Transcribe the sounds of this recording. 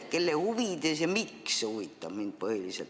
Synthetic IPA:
kelːehuʋid̪̥esjɑmiksehuʋit̪ːɑb̥mind̪̚pɤhilisḛt̪

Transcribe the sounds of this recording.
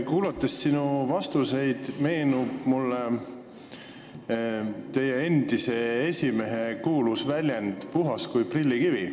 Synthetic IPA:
kuːlɑt̪ːˑe̞sːinuvɑst̪use̞jd̪̥me̞ːnub̥mulːe | t̪e̞je̞e̞nd̪̥ise̞esʲime̞ɦe̞kuːlusvælʲjend̪̥puɦɑskujprilʲːikivi

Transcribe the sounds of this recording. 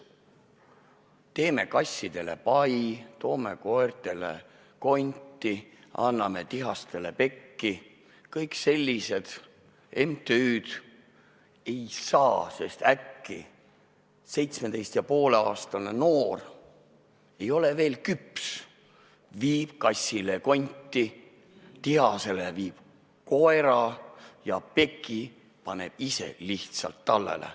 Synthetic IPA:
t̪e̞ːme̞̰kɑsʲːid̪̥e̞le̞̰pɑjt̪o̞ːme̞̰ko̞ert̪e̞lḛ | ko̞nʲt̪ːˑiɑ̰nːɑme̞t̪iɦɑst̪e̞le̞̰pe̞kːi | kɤjkse̞lʲːise̞d̪̥ | e̞mt̪eyːd̪̥ | e̞jsɑːse̞st̪ækːi | se̞jt̪smed̪e̞jst̪jɑpo̞ːleɑːst̪ɑlneno̞ːr | e̞jo̞le̞ve̞ːlkyps | viːb̥kɑsʲːileko̞nʲt̪ːˑi | t̪iɦɑse̞leviːb̥ | ko̞eɾɑjɑpe̞kːˑi | pɑne̞̰b̥ise̞̰liht̪sɑ̰lt̪ːɑlːḛlʔḛ

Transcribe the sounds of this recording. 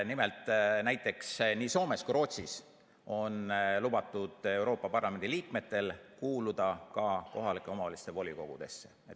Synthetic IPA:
nime̞lt̪ˑnæjt̪ːˑe̞ksniːso̞ːme̞skuɾo̞ːt̪sis | o̞nlub̥ɑt̪ːˑud̪̥e̞wɾo̞ːpːˑɑpɑrlɑme̞nd̪iliːkme̞t̪ːˑe̞lkuːlud̪̥ɑkɑko̞ɦɑlikːˑeo̞mɑvɑlist̪e̞vo̞lʲiko̞ɡ̥ud̪̥e̞̰sːe̞et

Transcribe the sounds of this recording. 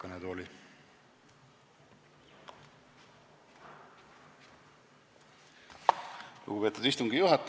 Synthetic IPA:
ɑned̪oli | lṵɡ̥upe̞ːt̪ːud̪ist̪uŋɡijuɦɑt̪ːˑ

